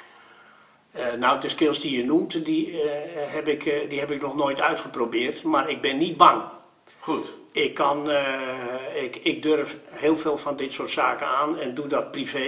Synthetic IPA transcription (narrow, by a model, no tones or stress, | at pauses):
nawdəskɪlˠsdijənumtdi | ɦɛbɪkdiɦɛpɪknɔxnoːjtœɥtxəprobɪərtmarɪɡ̚bɪnːit̚baŋ | ɪkʰːɔn | ɪkɪɡ̚dørfhɪːlˠfeːlˠfɔndɪtsoːrtsaːkəaːnɛndudɔt̚prive